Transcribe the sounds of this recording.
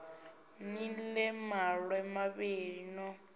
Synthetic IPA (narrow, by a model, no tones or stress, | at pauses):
nilɛmaɺwɛmaβeːɺinɔ